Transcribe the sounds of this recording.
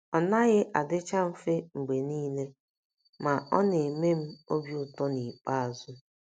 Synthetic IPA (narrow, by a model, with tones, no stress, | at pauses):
ɔ˨na˦ɣɪ˦ʔa˨dɪ˦t͡ʃa˦m̩˦fe˦ŋ͡m̩˨ɡ͡be˨niː˦le˦ | ma˨ʔɔ˦ne˨me˦m̩˦o˦bju˦ʊ˦˨tɔ˦ni˨k͡pa˦a˨zʊ˦